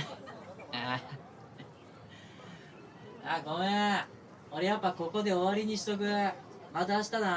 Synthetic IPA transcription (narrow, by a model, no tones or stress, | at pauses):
a | akome | oɾejapːako̞ko̞d̪e̞o̞βaɾʲiɲ̟iɕi̥t̪ok̬ɯ̟ | mat̪aːɕi̥t̪ana